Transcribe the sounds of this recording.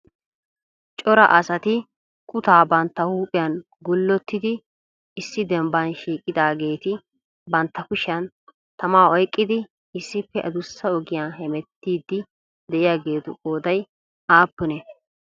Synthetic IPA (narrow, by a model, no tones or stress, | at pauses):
t͡ʃʼɔɾɐ̰ʔɐsɐt̪ɪ | kʰʊt̪aːbɐnt̪ːɐhuːpʼɪjɐn | ɡʊlːɔt̪ːɪd̪ɪ | ɪsːɪd̪ɛmbɐnʃiːkʼɪd̪aːɡe̞ːt̪ɪ | bɐnt̪ːɐkʊʃjɐn | t̪ɐmaːɔjkʼːɪd̪ɪ | ɪsːɪpːɛʔɐ̰d̪ʊsːɐɔɡɪjaːɦɛmɛt̪ːiːd̪ːɪ | d̪ɛʔɪjaːɡe̞ːt̪ʊʔo̞ːd̪ɐj | aːpːʊnɛ